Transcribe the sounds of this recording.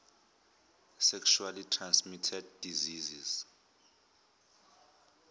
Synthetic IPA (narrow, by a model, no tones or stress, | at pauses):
sɛkʃualitʰransmitʰɛd̚ːiziziz̥